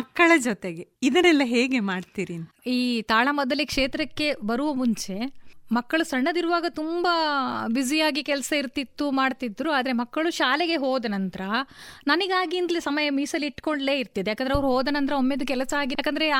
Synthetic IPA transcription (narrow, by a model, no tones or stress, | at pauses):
mɐkːɐɭɐd͡ʒɔt̪eɡeid̪ɐnɛlːɐɦeːɡemaːɖt̪iɾiːn | iːt̪aːɭɐmɔd̪ɐlekʂeːt̪ɾɐkːe̞bɐɾuʋɐmuɲt͡ʃe̞mɐkːɐɭusɐɳːɐd̪iɾuʋaːɡɐt̪umbɐbid͡ʒijaːɡikɛlɐsɐiɾt̪it̪ːumaːɖt̪id̪ːɾuaːd̪ɐɾe̞mɐkːɐɭuʃaːleɡe̞ɦoːd̪ɐnɐnt̪ɐɾɐnɐniɡaːɡiːnd̪ɐlisɐmɐjɐmiːsɐlːiːʈko̞ɳɖle̞ːiɾt̪id̪ejaːkɐnd̪ɾeɐʋɐɾuɦoːd̪ɐnɐnt̪ɾɐomːed̪ukɛlɐsɐaːɡijakɐnd̪ɾe